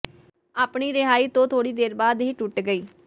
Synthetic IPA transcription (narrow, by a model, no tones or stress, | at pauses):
aːpɳiːɾɪɦaːiːt̪õːt̪ʰoːɽiːd̪eːɾbaːd̪ɦiːʈʊʈɡəiː